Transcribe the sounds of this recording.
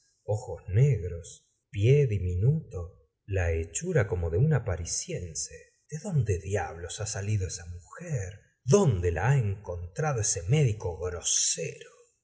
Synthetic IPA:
o̞xozneɣɾo̞s | pjeðiminut̪o̞ | laet͡ʃuɾako̞mo̞ðeunapaɾisje̞nse | d̪̥eðo̞nd̪eðjaβ̞lo̞sasaliðoesamuxeɾ | ðo̞nd̪ela̰aeŋko̞nt̪ɾað̞oesemeðiko̞ɣɾoseɾo

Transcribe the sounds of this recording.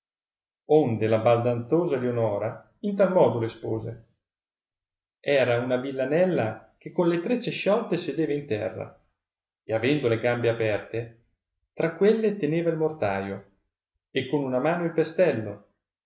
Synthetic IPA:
ond̪elabald̪ant̪soːzaleonɔːɾa | int̪almɔːd̪olespoːze | ɛːɾaunavilːanɛlːakekːonlet̪ɾet͡ʃːeʃːɔlt̪esed̪eːvaint̪ɛ̰rːa̰ | eavɛnd̪oleɡambeapɛrt̪e | t̪ɾakːwelːet̪eneːvailmort̪aːjo | ekːonunamaːnoilpest̪ɛlːo

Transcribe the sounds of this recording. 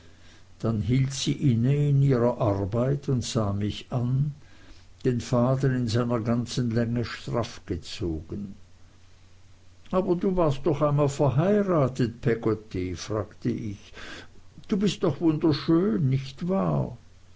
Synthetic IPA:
d̥anɦiːltsiːʔɪnəɪniːʁɐʔaʁbaɪtʰʊntz̥aːmɪçan | d̥eːnfaːt̬əɪnzaɪnɐɡant͡sənlɛŋəʃtʁafɡ̥ət͡soːɡ̥ən | ʔaːbɐduːvaːɐst̚d̥ɔχaɪnmaːlfɛɐɦaɪʁaːtət̚pʰɛɡotifʁaːktəʔɪç | d̥uːbɪst̚d̥ɔχvʊndɐʃøːnːɪçtv̥aː

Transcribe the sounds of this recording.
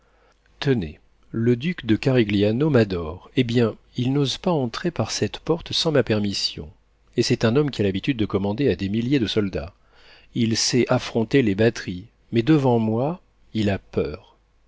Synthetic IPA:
t̪ənḛ | ləd̪ykd̪əkaʁiɡlianomad̪ɔʁebjɛ̃ | ilnozpaɑ̃t̪χepaʁsɛt̪pɔʁt̪sɑ̃mapɛʁmisjɔ̰̃ | esɛt̪ɛ̃nɔmkʲialabit̪yd̪̚ːəkɔmɑ̃d̪ead̪emiljed̪əsɔld̪a̰ | ilsɛʔafχɔ̃t̪elebat̪χi | mɛd̪əvɑ̃mwa | ilapœːʁ

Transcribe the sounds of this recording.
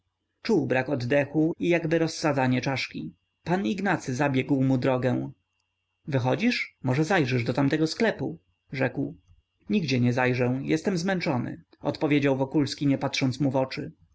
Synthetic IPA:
t͡ʂuwbɾakɔd̪d̪ɛxuijaɡbɘɾɔsːad̪zaɲɛt͡ʂaʂkʲi | paniɡnat̪sɘzabʲjɛɡwmud̪ɾɔɡɛw̃ | vɘxɔd͡ʑiʂmɔʐɛzajʐɛʐd̪ɔt̪amt̪ɛɡɔsklɛpu | ʐɛkw | ɲiɡd͡ʑɛɲɛzajʐɛ̃jɛst̪ɛmzmɛnt͡ʂɔnɘ̰ | ɔ̰t̪pɔvʲjed͡ʑawvɔkulskʲiɲɛpat̪ʂɔnt̪smuvɔt͡ʂɘ

